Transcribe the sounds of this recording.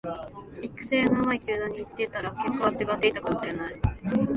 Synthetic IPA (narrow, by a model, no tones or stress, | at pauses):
ikɯ̟̥seːnamaikʲɨːd̪ãɲ̟ːiːt̪ːe̞t̪aɾakekːoβat͡ɕiɡat̪ːe̞it̪akamoɕiɾe̞nai